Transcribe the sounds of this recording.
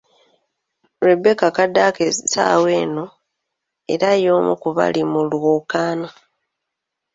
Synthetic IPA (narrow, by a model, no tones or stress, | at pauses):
ɾebːe̞kakadːakesa̰ːwe̞ːno̞ | eɾajo̞ːmṵkuβa̰limulwoːkaːno